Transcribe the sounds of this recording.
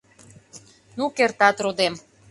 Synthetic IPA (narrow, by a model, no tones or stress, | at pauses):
nukert̪ɑt̪ɾod̪em